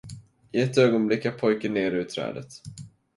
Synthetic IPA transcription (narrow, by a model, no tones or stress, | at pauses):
ʔɪɛt̪ːøːɡɔnblɪkːæpʰɔjkəneːɾʉ̟ːt̪ʰːɾɛ̰ːd̪ə̰t̪